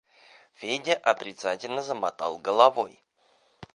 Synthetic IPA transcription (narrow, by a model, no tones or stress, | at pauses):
fʲedʲɪʔɐt̪ɾʲɪt̪satʲɪlʲnəzəmɐt̪ɑ̰lˠɡəlˠɐvoj